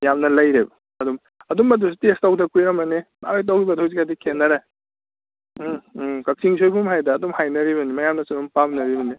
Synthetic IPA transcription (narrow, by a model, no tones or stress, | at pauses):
jamnɐlɐjɾebɐ | ɐdum | ɐdumːɐdusi̥testawdɐkujɾɐmɐnema̰lojt̬ɐwibɐtʰojsikadikʰenːɐɾe | kɐk̚siŋsʰojbʰumɦajdɐːdumhajnɐɾiβɐnimɐjamnɐsiumpamnɐɾibɐni